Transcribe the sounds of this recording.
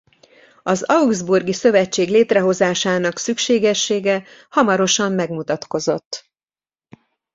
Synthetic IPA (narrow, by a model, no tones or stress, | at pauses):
ɒzɒwɡzburɡisø̞vɛt͡ʃːeːɡleːt̪rɛɦo̞zaːʃaːnɒksykʃeːɡɛʃːeːɡɛhɒmɒɾo̞ʃɒmːɛɡmut̪ɒt̪ko̞zo̞t̪ː